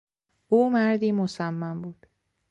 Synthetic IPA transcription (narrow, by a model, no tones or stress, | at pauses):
ʔuːmæɾd̪iːmosæmːæmbuːd̪̥